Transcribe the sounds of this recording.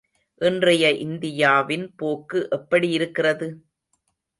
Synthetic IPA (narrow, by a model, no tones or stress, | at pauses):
ʔɪndrɐjɐʔɪnd̪ɪjaːʋɪnpoːkːɯʔɛpːɐɽijɪɾɯkːɪrɐðɯ